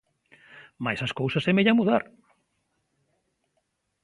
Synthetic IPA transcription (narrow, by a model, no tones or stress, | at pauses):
majsɐskowsɐsemeʎamuðaɾ